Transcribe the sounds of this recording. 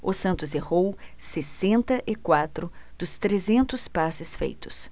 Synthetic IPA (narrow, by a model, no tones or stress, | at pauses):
ʊsɐ̃nt̪ʊzehow | sesẽnt̪ɐʔɪkwat̪ɾʊd̪̥ʊst̪ɾezẽnt̪ʊspasɪsfḛjt̪ʊ̥s